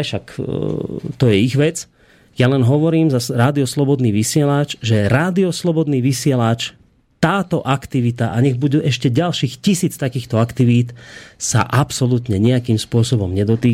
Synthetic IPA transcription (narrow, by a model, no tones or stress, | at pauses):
ʃak | t̪ɔjɛiɣʋɛt͡s | jalɛnɦɔʋɔɾiːmzaɾaːd̪iɔslɔbɔd̪niːʋisɪɛlat͡ʃʒɛɾaːd̪iɔslɔbɔd̪niːʋisɪɛlat͡ʃ | t̪aːt̪ɔʔakt̪iʋit̪aʔaɲɛɣbuɟuʔɛʃcɛɟalʃiːxcisiːt͡st̪akiːxt̪ɔakt̪iʋiːt̪sa̰ʔapsɔlut̪ɲɛɲɛakiːmspʊɔsɔbɔmɲɛd̪ɔt̪iː